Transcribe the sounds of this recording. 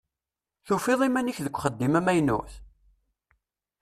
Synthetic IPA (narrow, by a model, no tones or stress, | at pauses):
θufɪðˤimæniçðəkʷːχəd̪ːimæmæjnṵθ